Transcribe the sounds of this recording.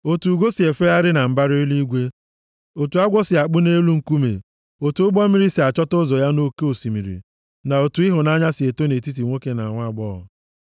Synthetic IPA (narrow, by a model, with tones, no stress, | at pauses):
o˨tu˨ɡo˦si˨e˨fe˦ja˦ɾɪ˦na˨m̩˨ba˦ɾi˦li˦ɡʷe˦ | o˨tu˨a˦ɡʷɔ˦sɪ˨a˨k͡pʊ˦ne˦lu˦ŋ̩˨˦ku˦mḛ˨ | o˨tu˨ʊ˦ɡ͡bɔ˦mi˨ɾi˦si˨a˨t͡ʃɔ˦tʊ˦zɔ˨ja˦no˦ke˦o˨si˨mi˨ɾḭ˨ | na˨o˨tu˨i˦ɦʊ˨na˦ɲa˦sɪ˨e˨to˦ne˨ti˦t̬i˨ŋʷo˦ke˦na˨ŋʷa˦˨ɡ͡bɔ˦ɔ̰˨